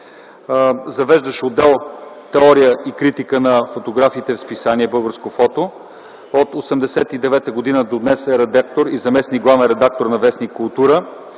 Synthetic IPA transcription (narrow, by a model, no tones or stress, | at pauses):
zɐvɛʒd̪əʃod̪ːɛlˠt̪ɛɔɾijəikɾit̪ikənɐfot̪oɡɾafiːt̪ɛfspisaniɛbɤlˠɡəɾskofɔt̪o | ot̪osɛmd̪ɛsɛt̪id̪ɛvɛt̪əɡod̪inəd̪od̪nɛsɛɾɛd̪ak̚t̪oɾizɐmɛsniɡlˠavɛnɾɛd̪ak̚t̪oɾnɐvɛsnikʊlˠt̪uɾə